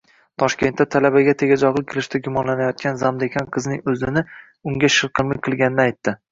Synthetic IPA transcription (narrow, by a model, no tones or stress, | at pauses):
t̪ʰɒʃkʲe̞nt̪ːat̪ʰalabaɡʲat̪ʰe̞ɡʲad͡ʒɒʁlˠɪkʲʰelɪʃt̪aɡʊmɒnlanajɒt̪̚kʲanzamd̪ekʲanqʰɨznɪŋɵzɪnɪ | ʊŋɡʲaʃɨɾqʰɨlˠmɪkʲqʰɨlˠɡʲanɪnɪajt̪ːɪ